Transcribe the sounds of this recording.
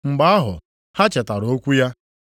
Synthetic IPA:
ŋ͡m̩˨ɡ͡ba˦a˦ɦʊ̰˨ | ha˦t͡ʃe˨ta˨ɾo˨o˦kʷu˦ja˦

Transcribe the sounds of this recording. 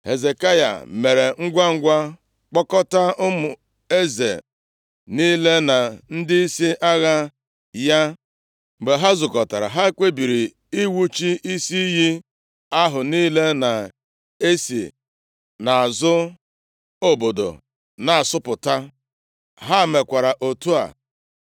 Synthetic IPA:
he˨ze˨ka˦ja̰˨me˨ɾe˨ŋ̩˦ɡʷa˦ŋ̩˦ɡʷa˦ | k͡pɔ˦kɔ˦ta˦ʊ˦mʊ˨ | e˦zḛ˨ | ni˦le˦na˨n̩˦dɪ˦i˦si˦ʔa˦ɣa˦ | ja˦ | m̩˨ɡ͡be˨ɦa˦zʊ˨kɔ˨ta˨ɾa̰˨ɦa˦e˦kʷe˦bi˨ɾi˨ | i˦wu˦t͡ʃi˦i˦si˦ji˦ | a˦ɦʊ˨niː˦le˦na˨ | e˦sḭ˨ | na˨a˨zʊ˦ | o˨bo˨do̰˨ | na˨a˨sʊ˦pʊ˨ta˦ | ɦa˦˨me˨kʷa˨ɾa˨ʔo˨tu˦a̰˨

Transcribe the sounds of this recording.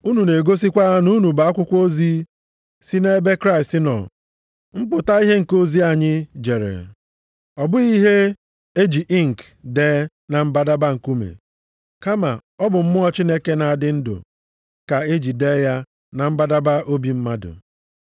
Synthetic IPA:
u˦nu˨ne˨ɡo˦s̬i˦kʷa˦nu˦nu˨ba˨a˦kʷʊ˦kʷo˦zi˦ | si˦ne˦be˦kɾa˦ɪ˨stɪ˦nɔ̰˨ | m̩˦pʊ˨ta˦i˦ɦe˦ŋ̩˨ko˦zi˦a˨ɲɪ˦d͡ʒe˨ɾḛ˨ | ɔ˨bʊ˦i˦ɦe˦ | e˦d͡ʒi˨ʔi˦ŋ̩˨k | deː˦ | na˨m̩˦ba˦da˦ba˦ŋ̩˨ku˦mḛ˨ | ka˦ma˨ɔ˦bʊ˨m̩˦mʊ˦ɔ˦t͡ʃi˦ne˦ke˦na˨a˨dɪ˦n̩˦dʊ̰˨ | ka˨e˦d͡ʒi˨deː˦ja˦ | na˨m̩˦ba˦da˦ba˦o˦bi˦m̩˦ma˦dʊ̰˨

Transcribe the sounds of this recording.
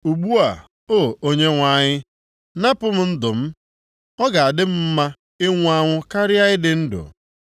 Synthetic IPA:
u˨ɡ͡bu˦a˨ | o˦˨o˦ɲe˦ŋʷa˨˦˨ɲɪ˦ | na˦pʊ˦m̩˦n̩˦dʊ˨m̩˦ | ɔ˦ɡa˨a˨dɪ˦m̩˦m̩˦ma˦ | ɪ˦ŋʷ˦a˦ŋʷʊ˦ka˦ɾɪ˦a˦ɪ˦dɪ˨n̩˦dʊ̰˨

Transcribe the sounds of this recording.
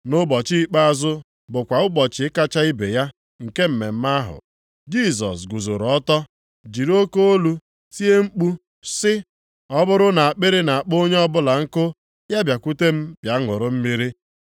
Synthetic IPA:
nʊ˦bɔ˨t͡ʃi˦i˦k͡pa˦a˦zʊ˦ | bʊ˨kʷa˨ʊ˦bɔ˨t͡ʃɪ˨ɪ˦ka˦t͡ʃa˦i˦bḛ˨ja˦ | ŋ̩˨ke˦m̩˨me˨m̩˦ma˦ɦʊ̰˨ | d͡ʒi˦s̬ɔ̰˨s̬ɡu˨zʊ̰˨ɾɔ˦tɔ˦ | d͡ʒi˨ɾo˦ko˦o˦lu˦ | si˦e˦ŋ͡m̩˦k͡pu˦ | sɪ˦ | ɔ˦bʊ˦ɾʊ˦na˨a˨k͡pe˦ɾe˦na˨a˨k͡po˦ɲe˦ɔ˦bʊ˦la˨ŋ̩˦kʊ˦ | ja˦bja˨ku˦te˦m̩˦b̥ja˨˦ŋʊ˨ɾʊ˦m̩˦mi˦ɾi˦

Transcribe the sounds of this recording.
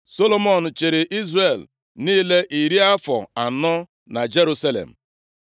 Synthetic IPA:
so˦lo˦mo˨n̩˨t͡ʃɪ˨ɾɪ˨ʔi˦zre˨l | niː˦le˦ʔi˨ɾi˦a˦fɔ̰˨a˨nɔ˦ | na˨d͡ʒe˦ɾu˦sa˦lḛ˨m̩˨

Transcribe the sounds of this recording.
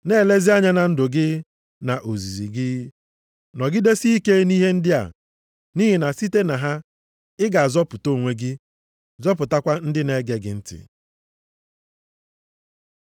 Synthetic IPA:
ne˦˨le˦zi˦a˦ɲa˦na˨n̩˦dʊ˨ɡɪ˦ | na˨ʔo˨zi˨zi˨ɡɪ˦ | nɔ˨ɡɪ˦de˦si˦i˦ke˦ni˦ɦe˦n̩˦dɪ˦a̰˨ | ni˦ɦi˨na˨si˦te˦na˨ɦa˦ | ɪ˦ɡa˨a˨zɔ˦pʊ˨to˦˨ŋʷe˦ɡɪ˦ | zɔ˦pʊ˨ta˦kʷa˦n̩˦dɪ˦ne˦ɡe˨ɡɪ̰˨n̩˦tɪ̰˨

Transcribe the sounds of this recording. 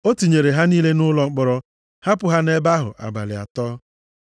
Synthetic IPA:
o˦tu˨ɲe˨ɾe˨ɦa˦niː˦le˦nʊ˦lɔ˨ŋ͡m̩˦k͡pɔ˨ɾɔ˦ | ha˦pʊ˨ɦa˦ne˦ba˦ɦʊ̰˨ʔa̰˨ba̰˨lɪ˨a̰˨tɔː˦

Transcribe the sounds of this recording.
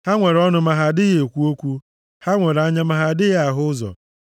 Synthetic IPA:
ha˦ŋʷe˨ɾɔ˦nʊ˦ma˨ɦa˨dɪ˦ɣe˨kʷu˦o˦kʷu˦ | ha˦ŋʷe˨ɾa˦ɲa˦ma˨ɦa˨dɪ˦ɣa˨ɦʊ˦ʊ˦zɔ̰˨

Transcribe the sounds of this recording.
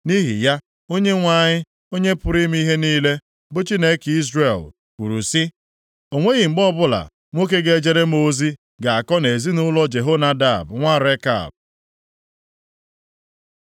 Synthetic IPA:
ni˦ɦḭ˨ja˦ | o˦ɲe˦ŋʷa˦˨ɲɪ˦ | o˦ɲe˦pʊ˦ɾi˦m˦i˦ɦe˦niː˦le˦ | bʊ˦t͡ʃi˦ne˦ki˦zɾe˨l | kʷṵ˨ɾṵ˨si˦ | o˨ŋʷe˦ɣi˨ŋ͡m̩˨ɡ͡bɔ˦bʊ˦la̰˨ | ŋʷo˦k̬e˦ɡe˦e˦d͡ʒe˦ɾe˦mo˦zi˦ | ɡa˨a˨kɔ˦ne˨zi˦nʊ˦lɔ˦d͡ʒe˨ɦo˦na˦da˦˨bŋʷa˦˨ɾe˦ka̰˨b̚

